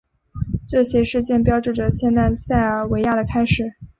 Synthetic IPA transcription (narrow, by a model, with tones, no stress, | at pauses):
ʈ͡ʂɤ˥˩ɕjɛ˥ʂɻ̩˥˧t͡ɕjɛ˥˩npjɑ˥ʊʈ͡ʂɻ̩˥˩ʈ͡ʂə˩ɕjɛ˥˧nt̪a˥˧ɪɕa˥˩ɪ˩we˧˥ɪja˥˩d̪ə˩kʰa˥ɪʂɻ̩˨˩˦